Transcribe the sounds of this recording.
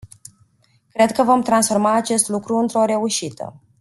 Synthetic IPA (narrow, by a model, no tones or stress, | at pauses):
kɾe̞d̪̚kəvo̞mt̪ɾansfo̞rmaːt͡ʃe̞st̪lukɾuɨnt̪ɾo̞ɾe̞uʃit̪ə̰